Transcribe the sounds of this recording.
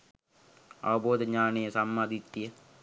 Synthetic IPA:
a̰ʋɐboːd̪əɲaːnejəsamːaːd̪it̪ːijə

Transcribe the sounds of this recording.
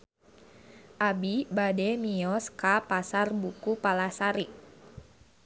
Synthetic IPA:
ʔabibadɛmiɔskapasarbukupalasaɾik̚

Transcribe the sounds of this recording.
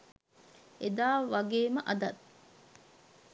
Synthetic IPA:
ed̪aːʋaɡeːməʔɐd̪ɐt̪

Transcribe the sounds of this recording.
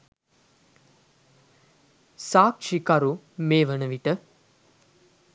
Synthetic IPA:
saːkʃikaɾu | meːʋənəʋiʈə

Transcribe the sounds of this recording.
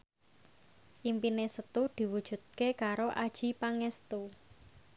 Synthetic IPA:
ʔimpinesət̪ud̪̥i̤wud̥ʒ̥ṳt̪̚kekaɾoʔad̥ʒ̥i̤paŋɛst̪u

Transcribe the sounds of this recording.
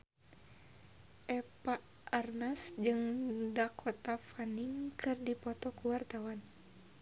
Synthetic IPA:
ʔɛpaː | rnasd͡ʒɨŋdakʰɔt̪afaniŋkʰɨrdipɔt̪ɔkuwart̪awan

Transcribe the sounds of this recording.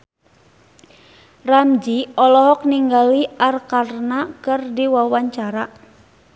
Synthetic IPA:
ramd͡ʒiɔlɔɦɔk̚niŋɡaliarkarnakɨrdiwawaɲt͡ʃaɾa

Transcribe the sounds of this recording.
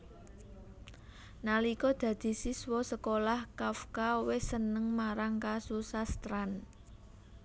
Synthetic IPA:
nalikɔd̪̥ä̤d̪̥i̤siswɔsəkolahkafkawɪsənəŋmaɾaŋkasusast̪ɾan

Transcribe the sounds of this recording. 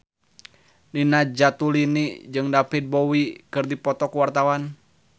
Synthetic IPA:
ninad͡ʒat̪ulinid͡ʒɨŋdapit̪̚bɔwikɨrdipɔt̪ɔkuwart̪awan

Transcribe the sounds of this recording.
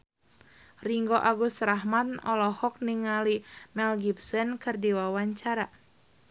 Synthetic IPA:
riŋɡoʔaɡust̪raɦmanɔlɔhɔk̚niŋalimɛlɡipsɔnkɨrdiwawaɲt͡ʃaɾa

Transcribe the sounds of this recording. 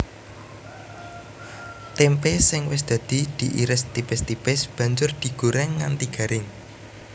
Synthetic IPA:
t̪ɛmpesɪŋwɪsd̪̥ä̤d̪̥i̤d̪̥i̤ʔiɾɪst̪ibɛst̪ib̥ɪsb̥ä̤ɲd͡ʒʊrd̪̥i̤ɡ̥ṳɾɛŋːa̰nt̪iɡ̥ä̤ɾɪŋ

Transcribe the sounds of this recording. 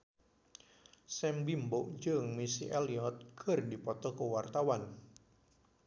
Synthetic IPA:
sɛmbimboʔd͡ʒəŋmisiʔɛliɔt̪̚ɡ̥ə̤rdipɔt̪ɔkowart̪awan

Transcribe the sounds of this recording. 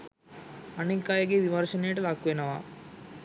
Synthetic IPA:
ɐnekːaːjɐɡeʋimɐɾʃɐnejɐʈɐlaːkːuʋenɐʋa̰ː

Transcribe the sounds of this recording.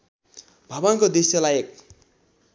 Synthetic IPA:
bʱʌbʌnkod̪esjʌlajek̚

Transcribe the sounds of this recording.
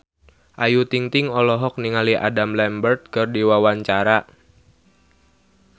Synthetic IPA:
ʔajut̪iŋt̪iŋɔlɔɦɔk̚niŋaliʔa̰damlɛmbərt̪̚kɨrdiwawaɲt͡ʃaɾa

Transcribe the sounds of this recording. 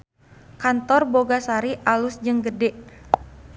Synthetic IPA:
kant̪ɔrboɡasaɾiʔalʊsd͡ʒɨŋɡədɛʔ

